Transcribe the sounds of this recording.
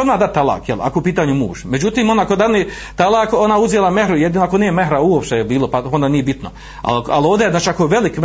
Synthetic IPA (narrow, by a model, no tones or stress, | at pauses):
od̪maːd̪adt̪t̪ːalˠa̰ːkjela̰koupiːt̪aːɲumṵːʃme̞d͡ʑut̪iːmond̪akod̪ani | t̪alˠaːkonauzjelˠamehɾujed̪iːnoakonijeme̞ɦɾauopʃt̪ejebiːlˠopaond̪aːnije̞bit̪no | a̰lka̰lo̞ːʋd̪eznaːt͡ʃiakoeʋelik